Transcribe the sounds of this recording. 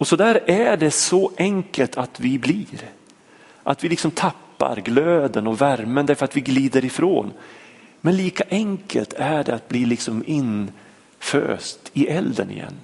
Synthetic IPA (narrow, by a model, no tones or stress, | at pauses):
ɔsɔd̪æːɾæɖɛsɔʔɛŋkəlt̪ʰat̪vɪbliːɾ | ʔa̰t̪vɪlɪksɔmt̪ʰapːa̰ɾɡløːd̪ənɔvæɾmənd̪æɾfœɾat̪vɪɡliːd̪əɾɪfɾo̰ːnmɛnliːkaʔɛŋkʰə̰lt̪ʰæɖɛat̪̚bliːlɪksɔmɪn | fø̰ːst̪ɪʔɛld̪ə̰nɪ̰jɛ̰nː